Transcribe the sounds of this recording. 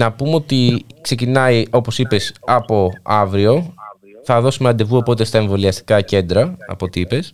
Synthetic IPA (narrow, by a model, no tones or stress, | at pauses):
nɐpumeo̞t̪ikse̞cinɐio̞po̞sipe̞sɐpo̞ɐvɾio̞ | θɐðo̞sumeɐnd̪e̞vuopo̞t̪e̞st̪ɐe̞ɱvo̞liɐst̪i̥kɐce̞nd̪ɾɐɐ̰po̞t̪iipe̞s